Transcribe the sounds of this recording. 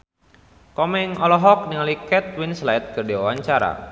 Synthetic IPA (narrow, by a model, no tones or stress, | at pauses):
kɔmɛŋɔlɔɦɔk̚niŋalikɛt̪̚winslaɪt̪̚kərdiwawaɲt͡ʃaɾa̰